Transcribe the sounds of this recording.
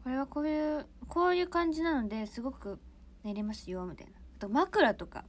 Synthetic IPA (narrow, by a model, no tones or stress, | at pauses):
ko̞ɾe̞β̞ako̞ːjɯ̟ːkʰo̞ːjɯ̟ːkãɲ̟d͡ʑinano̞d̪e̞sɨɡo̞kɯ̟ | ne̞ɾemasɨjomit̪a̰inaat̪o̞makɯ̟ɾat̪o̞ka̰